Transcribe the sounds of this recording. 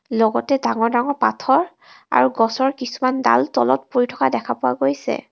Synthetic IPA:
lɔɡɔtɛdaŋɔɹdaŋɔɹpa̰tʰɔɹ | a̰ɹuɡɔsɔɹkisumanda̰ltɔ̰lɔ̰t̚poɹitʰɔkadɛkʰapʊwa̰ɡojsɛ̰

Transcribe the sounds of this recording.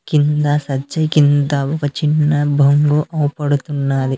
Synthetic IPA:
kint̪ɐsɐt͡ʃːɐkint̪ɐɔkɐt͡ʃinːɐbʱɐŋɡuʔɐwpɐɽut̪unːaːɾi

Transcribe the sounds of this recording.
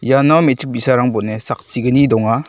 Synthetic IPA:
janamet͡ʃʰɯk̚bisaɾaŋbɔtnesak̚t͡ʃiɡɯnidɔŋa

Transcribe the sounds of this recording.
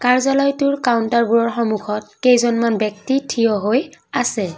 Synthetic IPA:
kaɹzalɔjtʊɹkawntaɹbuɹɔɹxɔmuxʰɔt̚kejzɔnmanbɔk̚titʰijɔɦojasɛ

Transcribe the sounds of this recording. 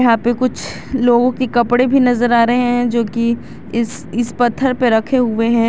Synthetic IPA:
jɐɦãpekʊt͡ʃʰ | loːɡõkekɐpɽebʱinɐzəɾaːɾɐɦeɦɛ̃d͡ʒoːki | ɪs | ɪspɐt̪ʰːəɾpeɾɐkʰeɦʊeɦɛ̃ː

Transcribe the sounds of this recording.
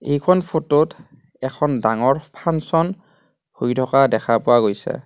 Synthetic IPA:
ejkʰɔnpʰotot | ɛkʰɔndaŋɔɹpʰansɔn | hojtʰɔkadɛkʰapʊwaɡojsɛ̰

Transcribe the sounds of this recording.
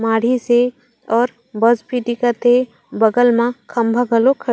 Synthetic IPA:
maːɽ̤ise | ɔːɾ | bəzpiʈikat̪ʰe | bəɡəlmãkʰɐmbʱaɡəlokʰə

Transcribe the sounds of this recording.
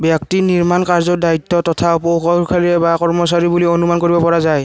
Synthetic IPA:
bjak̚tiniɹmankaɹzɔdaitːɔtɔtʰaupokʰɔkʰaɹiɛbakɔɹmɔsaɹibulionumankoɹibɔpɔɹazaj

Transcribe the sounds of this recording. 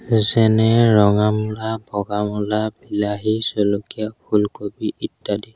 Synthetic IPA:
zɛnɛɹɔŋamɔlabʱɔɡamɔlabilaɦisɔlɔkijabʱulkobiitːadi

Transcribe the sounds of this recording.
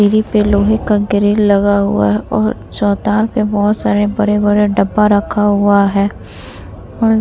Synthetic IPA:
iɾipeloːɦekaɡɪɾiːlːɐɡaɦʊ̰a̰ɦɛɔːɾ | t͡ʃɔːt̪aːɾpebɔːt̪saːɾebɐɾebɐɾeɖɐbːaɾɐkʰaɦʊaɦɛː | ɔːɾ

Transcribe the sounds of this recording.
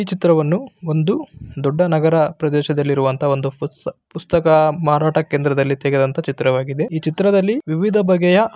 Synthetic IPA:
iːt͡ʃit̪ɾɐʋɐnːuo̞nd̪ud̪ɔɖːɐnɐɡɐɾɐpɾɐd̪ɛːʃɐd̪ɐlːiɾuʋɐnt̪ʰɐo̞nd̪upust̪ɐkɐmaːɾaːʈɐkeːnd̪ɾɐd̪ɐlːit̪ɛɡed̪ɐnt̪ɐt͡ʃit̪ɾɐʋaːɡid̪e̞iːt͡ʃit̪ɾɐd̪ɐlːiʋiʋid̪ʱɐbʱɐɡɛjɐ

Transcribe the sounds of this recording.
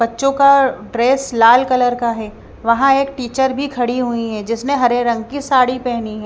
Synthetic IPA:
b̥ɐtːʃõkaɖɾeːslaːlkɐləɾkaɦɛː | ʋɐɦãeːk̚ʈiːt͡ʃəɾbʱikʰɐɽiɦuiɦɛd͡ʒɪsneɦɐɾeɾɐ̃ŋɡkisaːɽipɛɦniɦɛ̃ː

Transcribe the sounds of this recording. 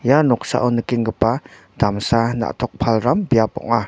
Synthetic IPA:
janʊksa̰ʔunəkɪŋkəpa | d̪̥amsana̰ʔt̪ʰɔk̚pʰalɾambiapɔ̰ŋa

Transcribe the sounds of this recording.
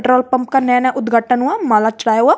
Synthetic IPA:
ʈɾoːlpə̃mpkanɛ̃ːnɛ̃ʔʊd̪ɡʱaːʈənũãːmaːlat͡ʃɽaːjoa

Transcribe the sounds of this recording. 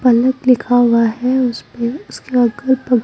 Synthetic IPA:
pɐləklɪkʰaːwaɦɛʊspeʊskeɐɡəɾpɐɡ

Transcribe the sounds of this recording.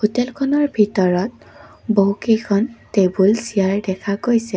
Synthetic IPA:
xutɛlkʰɔnɔɹbʱitɔɹɔt̚ | boɦukejkʰɔntebulsijaɹdɛkʰaɡojsɛ

